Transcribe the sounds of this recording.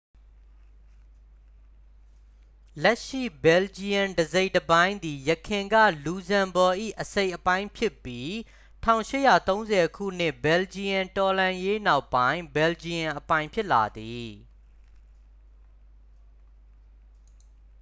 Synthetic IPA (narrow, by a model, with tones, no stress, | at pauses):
lɛ˦ʔʃḭ˦˨bɛ˨ld͡ʑi˨ã˨ndəze˦ɪʔtəbã˦ɪ̃nd̪i˨jəkʰɪ̃˨ŋɡä̰˦˨lu˨zã˨mbɔ˨ʔḭ˦˨ʔəse˦ɪʔəpã˦ɪ̃mpʰjɪ˦˨pːji˦ | tʰã̰˦˨ʊ̃ʃɪ˦ʔjä̰˦˨t̪õ˦ʊ̃nzɛ˨kʰṵ˦˨n̥ɪ˦ʔbɛ˨ld͡ʑi˨jã˨ntɔ˨lã˨je˦na˦ʊpːã˦ɪ̃mbɛ˨ld͡ʑi˨ã˨ʔəpã˦ɪ̃mpʰjɪ˦ʔla̰˨d̪i˨